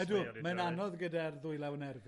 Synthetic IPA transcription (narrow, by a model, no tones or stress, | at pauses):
ɛdumananɔðɡədarðʊjlˠawənɛrb